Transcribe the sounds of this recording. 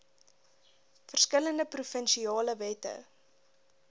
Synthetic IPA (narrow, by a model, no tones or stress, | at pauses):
fərskələndəprufənʃiɑːləvɛtə̰